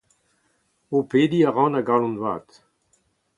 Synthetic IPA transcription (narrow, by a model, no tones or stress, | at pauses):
oped̪iaʁɑ̃naɡalɔ̃ndwa̰ːt̪